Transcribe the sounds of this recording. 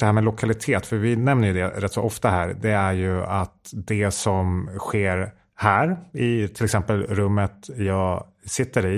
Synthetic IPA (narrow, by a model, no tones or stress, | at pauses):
d̪ɛhæɾmɛlʊkʰalɪt̪ʰeːt̪fœɾvɪnɛmnəɾjɵd̪ɛɾɛt̪ːsɔɔft̪ahæːɾd̪ɛæɾjɵat̪d̪ɛsɔmɧeːɾ | hæːɾɪt̪ʰɪlɛksɛmpəlɾɵmːət̪jɑːɡ | sɪt̪ːəɾɪ